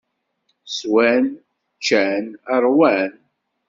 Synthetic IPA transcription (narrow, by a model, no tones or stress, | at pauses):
swæn | t͡ʃːænəɾˤwæn